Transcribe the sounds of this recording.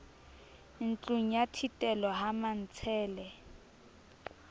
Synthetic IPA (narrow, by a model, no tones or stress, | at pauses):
n̩t͡ɬʼuŋ̩jatʰitʼɛlɔɦaman̩t͡sʰɛːlɛ